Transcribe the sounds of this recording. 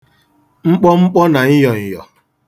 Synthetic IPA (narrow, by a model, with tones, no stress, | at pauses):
ŋ͡m̩˦k͡pɔ˦ŋ͡m̩˦k͡pɔ˦na˨ɲɪ˦jɔ˨ɲi˨jɔ̰˨